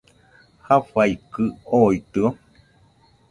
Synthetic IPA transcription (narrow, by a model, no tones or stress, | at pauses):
hafaikɨoit̪ɨo